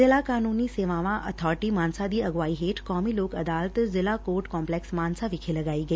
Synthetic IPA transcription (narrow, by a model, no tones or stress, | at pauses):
ɪlakaːnuːniseːʋãːʋãʔɐt̪ʰɔːɾɪʈimaːnsad̪iːɐɡʋaːiɦeːʈʰkɔːmiloːkɐd̪aːlət̪zɪlakoːɾʈkɔːmplɛːksmaːnsaʋɪkʰelɐɡaːiɡɐiː